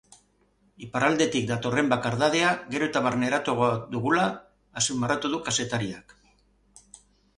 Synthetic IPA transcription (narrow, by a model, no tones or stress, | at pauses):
ipaɾald̪e̞t̪ik̚d̪at̪o̞re̞mbakaɾðað̞e̞aɣe̞ɾo̞et̪aβaɾne̞ɾat̪oɣod̪uɣulaː | simarat̪uðukase̞t̪aɾiak